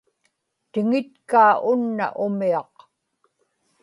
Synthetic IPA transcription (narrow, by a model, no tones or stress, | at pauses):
t̪ɪŋɪt̪kaːʊnːa̰ʔʊmiɑq